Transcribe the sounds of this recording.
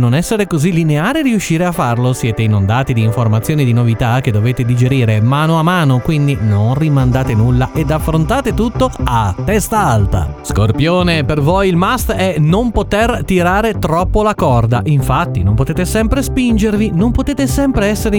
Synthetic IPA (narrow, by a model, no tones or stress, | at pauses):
nonɛsːeɾekozilːineaːɾeɾiuʃːiːɾeafːarlosjɛːt̪einond̪aːt̪id̪iːɱformat̪sːjoːnid̪inovit̪ak̟ed̪ːoveːt̪ed̪id͡ʒeɾiːɾemaːnoamːaːnokwind̪inonrimand̪aːt̪enulːaʔed̪afːɾont̪aːt̪et̪ut̪ːoat̪ːɛst̪aalt̪a̰skorpjoːnepervojilmast̪ɛnompot̪ert̪iɾaːɾet̪ɾɔpːolakɔrd̪a̰ʔiɱfat̪ːinompot̪eːt̪esɛmpɾespind͡ʒervinompot̪eːt̪esɛmpɾeɛsːeɾ